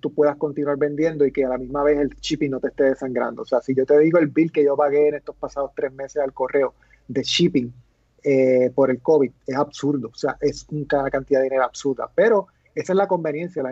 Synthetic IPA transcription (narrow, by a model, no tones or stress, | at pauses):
t̪upwe̞ðasko̞nt̪inwaɾbe̞nd̪je̞nd̪o̞ike̞alamizmaβe̞se̞lt͡ʃipiŋno̞t̪est̪e̞ðe̞saŋɡɾa̰nd̪ooːse̞asiʝo̞t̪e̞ðiɣoe̞lbilke̞ʝo̞paɣe̞ːnest̪o̞spasaðo̞st̪ɾesme̞sesalko̞re̞o | d̪e̞t͡ʃipiŋ | epo̞ɾe̞lko̞βiðe̞sabsuɾðo̞se̞a̰ʔe̞suŋkanakant̪iðaðeineɾoabsuɾða̰pe̞ɾo̞ | esaeslako̞mbe̞njẽ̞nsjala